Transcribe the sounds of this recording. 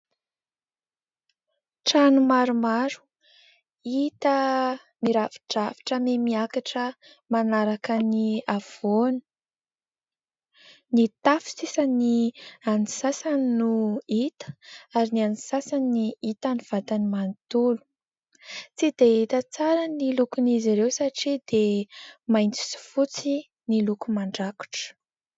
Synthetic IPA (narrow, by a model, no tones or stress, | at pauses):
ʈ͡ʂanumaɾumaɾu̥ | it̪ə | miɾavi̥ʈ͡ʂavi̥ʈ͡ʂəmemiakaʈ͡ʂə | manaɾakəniav̥oni̥ | nit̪afi̥sisanianisasannuit̪ə̥aɾinianisasaniit̪aniv̥at̪animant̪ulu̥ | t͡sid̪̥eit̪ət͡saɾənilukuniziɾewsaʈ͡ʂid̪emajnt͡si̥si̥fut͡si | nilukumaɳɖ͡ʐaku̥ʈ͡ʂə̥